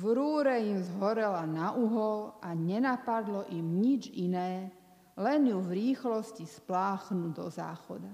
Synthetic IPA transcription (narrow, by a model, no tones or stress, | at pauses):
ʋɾuːɾɛimzɦɔɾɛlanaʔuɦɔlʔaɲɛnapad̪lɔʔimɲid͡ʒinɛː | lɛnjuvɾiːxlɔscisplaːxnud̪ɔ̰za̰ːxɔd̪a